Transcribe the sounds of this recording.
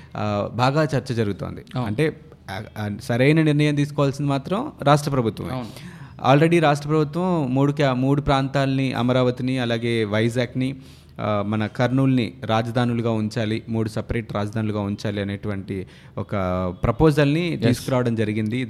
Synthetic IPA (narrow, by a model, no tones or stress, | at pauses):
baːɡaːt͡ʃɐɾt͡ʃɐd͡ʒɐɾuɡut̪o̰ːnd̪iɐɳʈe̞ː | sɐɾɐjnɐniɾnɐjɐmt̪̬iːsu̥kɔːʋaːlsind̪imaːt̪ɾɐmɾaːʂ̬ʈɾɐpɾɐbʱut̪ʋɐ̰m̰a̰ːlɾe̞ɽiɾaːʂʈɾɐpɾɐbʱut̪ʋɐmːuːɽukmuːɽupɾaːnt̪aːlɐniʔɐ̰mɐɾaːʋɐt̪iniɐlaːɡe̞ːʋɐjd͡ʒaːkni | mɐnɐkɐɾɳuːlniɾaːd͡ʒɐd̪ʱaːnuluɡaːuɲt͡ʃaːlimuːɽusɐpɾeːʈɾʔaːd͡ʒɐd̪ʱaːnuluɡaːuɲt͡ʃaːliɐneːʈuʋɐɳʈi | ɔkɐpɾɐpoːd͡ʒɐlnit̪iːskuɾaːʋɐɽɐmd͡ʒɐɾiɡind̪i